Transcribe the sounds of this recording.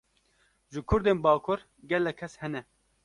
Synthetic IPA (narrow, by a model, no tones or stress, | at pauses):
ʒɨkʰʊɾd̪eːnbaːkʰoɾ | ɡɛlːɛkʰːɛshɛnɛ